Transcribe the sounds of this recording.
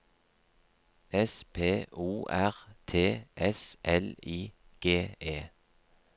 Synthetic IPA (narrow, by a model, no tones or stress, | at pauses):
ɛspʰeːuːʔæʁt̪ʰeːʔɛsʔɛliːɡ̥eːeː